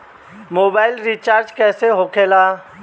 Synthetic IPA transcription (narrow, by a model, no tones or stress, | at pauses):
moːbaːɪlɾit͡ʃaːɾd͡ʒkɛːseɦoːkʰeːlaː